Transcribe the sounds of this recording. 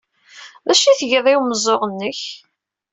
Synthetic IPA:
ðæʃiθəʝəðˤɪwməzˤoʁənːəç

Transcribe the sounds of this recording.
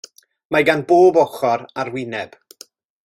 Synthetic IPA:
maɡanboːbɔχɔɾarwɪnɛb̥

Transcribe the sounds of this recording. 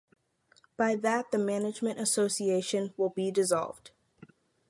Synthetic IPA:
b̥aɪðɨt̪̚ðɨmænɨd͡ʒmɨ̃ntɨsoʊsieɪʃɨ̃nwɪlˠbidɨzɑ̰lˠvd̥

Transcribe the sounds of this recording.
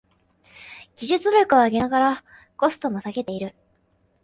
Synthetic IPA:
ɡ̥ʲiʑɨt͡sɨɾʲokɯ̟βaːɡʲe̞naɡaɾa | ko̞sɨ̥t̪o̞mo̞saɡe̞t̪e̞iɾɯ̟

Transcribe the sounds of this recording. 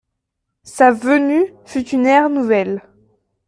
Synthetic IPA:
savənyfyt̪ynɛʁnuvɛl

